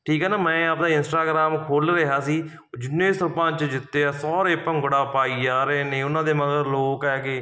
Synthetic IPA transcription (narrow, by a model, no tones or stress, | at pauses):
ʈʰiːkɦɛːnaːmɛ̃ːaːpd̪aːɪnsʈaːɡɾaːmkʰoːlɾəɦaːsiː | d͡ʒɪnːeːsəɾpãːnt͡ʃd͡ʒɪt̪ːeːaːsɔːɾeːpəŋɡʊɽaːpaːiːd͡ʒaːɾeːnẽːʊnãːd̪eːməɡəɾloːkɛːkeː